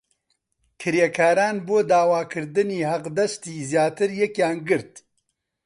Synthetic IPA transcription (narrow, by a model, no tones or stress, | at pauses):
kʰɨɾjekʰaːɾaːnboːd̪aːwaːkʰɨɾd̪ɨniːhɐqd̪ɐst̪iːzjaːt̪ɨɾjɛkjaːnɡɨɾt̪